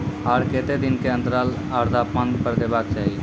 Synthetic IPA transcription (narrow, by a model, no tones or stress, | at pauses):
ɦaːɽkeːt̪ed̪ɪnkeə̃nt̪əɾaːl | aːɾd̪ʱaːpmənd̪kəɾd̪eːbaːkt͡ʃaːɦi